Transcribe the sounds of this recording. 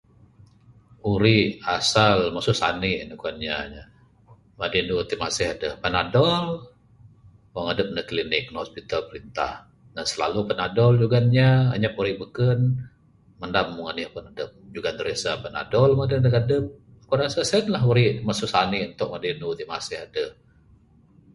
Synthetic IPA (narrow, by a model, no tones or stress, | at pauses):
uɾiʔasalmasʊʔsa̰nɪʔnukanɲaɲa | madinut̪imasɪhadəhpənadɔl | wɔŋadəp̚nəhklinɪk̚nhɔspit̪alpəɾint̪a̰h | nansəla̰lupənadɔld͡ʒuɡanɲa̰ːɲap̚uɾiʔbəkən | məndamːuŋanɪʔpʊnadəp̚d͡ʒuɡandəɾesapəna̰dɔlmadədəkadəp̚ | akuɾasasənlaɦuɾiʔmasʊʔsanɪʔunt̪ʊʔ̚madinut̪imasɪhadəh